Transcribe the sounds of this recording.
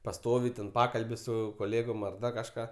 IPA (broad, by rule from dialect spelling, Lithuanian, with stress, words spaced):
pɐˈstoːʋʲɪ tʲɛn ˈpɑːkɐlʲbʲɪ ˈsʊ koːˈlʲeːɡoːm ɐr ˈdɐ kɐʃˈkɑː